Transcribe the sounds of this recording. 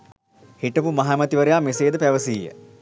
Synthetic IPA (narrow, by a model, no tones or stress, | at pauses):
hiʈəpumɐɦaːmɐt̪iʋəɾejaːmeseːd̪əpæʋəsiːjə̰